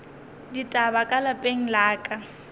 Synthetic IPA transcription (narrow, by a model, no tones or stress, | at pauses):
ditʼabakʼalapʼeŋ̩laːkʼa